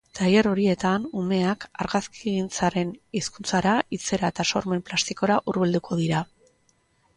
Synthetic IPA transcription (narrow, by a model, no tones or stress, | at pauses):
t̪ajeɾo̞ɾie̞t̪anume̞akaɾɣaskiɣint͡saɾe̞niskunt͡saɾait͡se̞ɾae̞t̪aso̞ɾme̞mplast̪iko̞ɾaʔuɾβeld̪ukʰo̞ð̞iɾa